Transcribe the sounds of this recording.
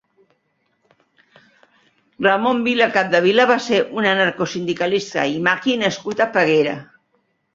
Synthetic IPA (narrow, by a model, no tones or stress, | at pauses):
rəmombiləkap̚d̪əβ̞iləβaseɾʔunənaɾkosind̪ikalist̪ə̰imakinəskut̪apəɣeɾə̰